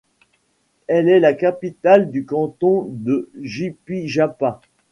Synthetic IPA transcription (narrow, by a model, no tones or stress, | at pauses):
ɛlɛlakapit̪ald̪ykɑ̃t̪ɔ̃d̪əʒipiʒapa